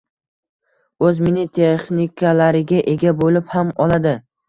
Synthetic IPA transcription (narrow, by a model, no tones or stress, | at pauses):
ɵzmenɪt̪ʰeχnikʰalaɾɪɡʲaʔe̞ɡʲabolɪphamɒlˠad̪ɪ